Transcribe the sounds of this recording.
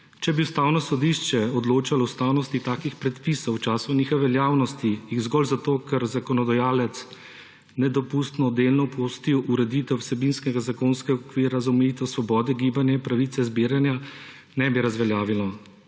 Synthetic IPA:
t͡ʃɛbiust̪aːwnɔsɔd̪iʃt͡ʃɛɔd̪loːt͡ʃalɔwst̪aːwnɔst̪it̪aːkixpɾɛt̪pisɔwt͡ʃaːsɔniːxɔʋɛljaːwnɔst̪ijiɣzɡɔlzat̪oːkɛɾzakɔnɔd̪ajaːlɛt̪s | nɛd̪ɔpust̪nɔd̪eːlnɔpʰost̪iwʔuɾɛd̪it̪ɛwsɛbinskɛɡazakoːnskɛɡaɔkʋiːɾazaɔmɛjit̪ɛwsʋɔbɔːd̪ɛɡiːbanjaipɾaʋit̪sɛzbiːɾanja | nɛbiɾazʋɛljaːʋilɔ

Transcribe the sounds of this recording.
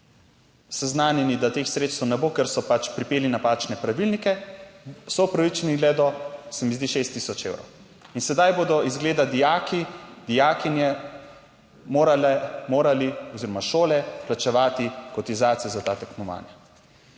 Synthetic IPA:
sɛznaːnjɛnid̪at̪eːxsɾeːt̪st̪əwnɛboːkɛɾsɔpat͡ʃpɾipeːlinapaːt͡ʃnɛpɾaʋilnikɛ | sɔupɾaʋit͡ʃɛniɡlɛːd̪ɔsɛmizd̪iʃeːst̪ːisɔt͡ʃḛwɾɔ̰w | insɛd̪ajboːd̪ɔizɡleːd̪ad̪ijaːkid̪̥ijaːkinjɛ | moːɾalɛmoːɾaliɔziːɾɔmaʃoːlɛplat͡ʃɛʋaːt̪ikɔt̪izaːt̪sijɛzat̪aːt̪aknɔʋa̰ːnja

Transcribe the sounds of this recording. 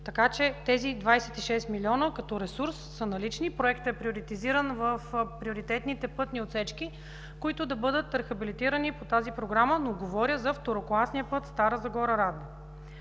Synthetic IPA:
t̪ɐkat͡ʃɛt̪ɛzid̪vajsɛt̪iʃɛst̪milʲiɔnəkɐt̪ɔɾɛsuɾsːənɐlit͡ʃnipɾoɛkt̪ɛpɾioɾit̪iziɾənvəfpɾioɾit̪ɛt̪nit̪ɛpɤt̪niot̪sɛt͡ʃki | koit̪ʊd̪ɐbɤd̪ət̪ɾɐxɐbilit̪iɾənipot̪azipɾoɡɾamənoɡovɔɾʲəzɐft̪oɾoklˠasnijəpɤt̪st̪aɾəzɐɡɔɾəɾad̪nə

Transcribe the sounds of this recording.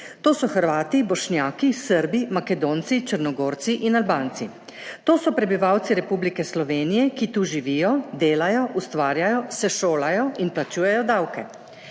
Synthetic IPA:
t̪oːsɔxəɾʋaːt̪ibɔʃnjaːkisəɾbimakɛd̪oːnt̪sit͡ʃəɾnɔɡoːɾt̪siʔinalbaːnt̪si | t̪oːsɔpɾɛbiʋawt̪siɾɛpublikɛslɔʋeːnijɛkit̪uʒiʋiːjɔd̪eːlajɔʔust̪ʋaːɾjajɔsɛʃoːlajɔinplat͡ʃuːjɛjɔd̪awkɛ

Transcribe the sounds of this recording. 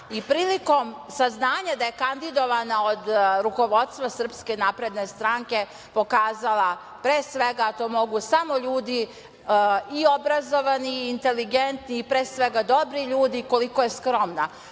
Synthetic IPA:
ipɾiːliko̞msaznaːɲad̪aje̞kand̪id̪oʋanao̞d̪ɾuko̞ʋo̞d̪st̪ʋasr̩pske̞napɾe̞d̪ne̞st̪ɾaŋke̞ | po̞kaːzala | pɾeːsʋe̞ɡat̪o̞ːmo̞ɡusamo̞ʎuːd̪i | iobɾazo̞ʋaniːnt̪e̞liɡent̪niːpɾeːsʋe̞ɡad̪o̞bɾiʎuːd̪iko̞likoje̞skɾo̞mna

